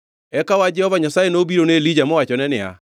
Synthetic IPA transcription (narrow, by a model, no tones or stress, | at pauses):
ɛkawad͡ʒɛhɔvaɲasaːenobiɾonelid͡ʑamoat͡ʃɔnɛnɛa̰